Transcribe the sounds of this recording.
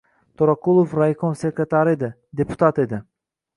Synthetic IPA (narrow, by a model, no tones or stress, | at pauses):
t̪ʰoɾakulˠofɾajkonsekɾet̪aɾed̪ɪ | d̪epu̥t̪at̪ed̪ɪ